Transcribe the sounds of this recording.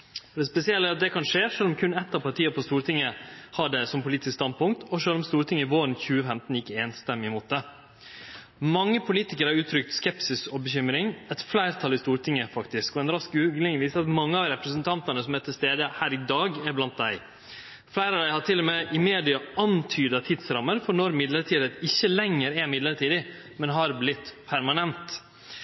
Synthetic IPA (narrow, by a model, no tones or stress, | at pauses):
d̪ɛspɛsɪɛlːəæɾɑt̪̚d̪ɛkʰɑnʂeːʂøːlɔmkʰʉnɛt̪ːɑʋpɑʈʰiːəpʰɔst̪uːɾt̪ʰɪŋːəhɑɖɛsɔmpʊliːt̪ɪskst̪ɑnd̪̚pʊŋk̚t̪ʰɔʂøːlɔmst̪uːɾt̪ʰɪŋːəɪʋoːɾənçʉːəfɛmt̪n̩jɪkːəeːnst̪ɛmːɪmuːt̪̚d̪ɛ | mɑŋːəpʰʊliːt̪ɪkəɾhɑɾʉːt̪ʰɾʏk̚t̪skɛpsɪsɔbəçʏmɾɪŋɛt̪flæɪɾt̪ʰɑlːɪst̪uːɾʈ̪ʰɪŋːəfɑkt̪ɪskɔɛnɾɑskʉːɡlɪŋʋiːsɑt̪mɑŋːəɑʋɾɛpɾəsənt̪ʰɑnt̪ɑnəsɔmɛt̪ʰːɪst̪eːd̪əhæːɾɪd̪ɑːɡɛɾblɑnt̪̚d̪æɪ | flæɪɾɑːʋd̪æɪhɑʈʰɪlːɔmeʔɪmeːd̪ɪɑɑnt̪ʰyːd̪ət̪ʰɪd̪sɾɑmːəɾfɔɳɔɾmɪd̪ləɾʈʰiːd̪əɪçːəlɛŋːəɾɛɾmɪd̪ləɾʈiːd̪ɪ | mɛnɦɑɾblɪt̪ːpʰæɾmɑnɛnt̪